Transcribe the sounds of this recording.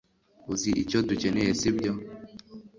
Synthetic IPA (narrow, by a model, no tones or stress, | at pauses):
uziʔḭt͡ʃodut͡ʃenɛjesibjɔ